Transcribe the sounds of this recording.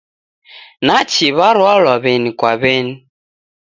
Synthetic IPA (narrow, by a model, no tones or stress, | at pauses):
nat͡ʃiβaɾwɔlɔβenikwaβeni